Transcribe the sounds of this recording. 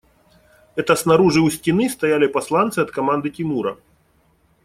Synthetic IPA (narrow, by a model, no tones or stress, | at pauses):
ɛt̪ɐsnaɾuʐɨwsʲtʲinɨst̪ajalʲipaslˠant̪sɨɐt̪kamand̪ɨtʲimuɾɐ̰